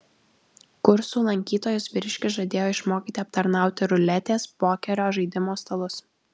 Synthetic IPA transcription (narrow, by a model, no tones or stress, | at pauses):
kʊɾsuːlˠɐŋʲkʲiːt̪oːjʊsʋʲɪɾʲɪʃʲkʲɪsʒɐd̪ʲeːjoːɪʃmoːkʲiːt̪ʲɪɐp̚t̪ɐɾnɑˑʊt̪ʲɪɾʊlʲɛt̪ʲeːspoːkʲɛɾʲoːʒɐɪd̪ʲɪmoːst̪ɐlˠʊs